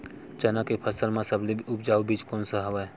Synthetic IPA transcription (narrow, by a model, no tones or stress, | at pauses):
t͡ʃənakepʰəsəlmãsəbliʊpd͡ʒaːubiːd͡ʒkoːnsəɦɐʋae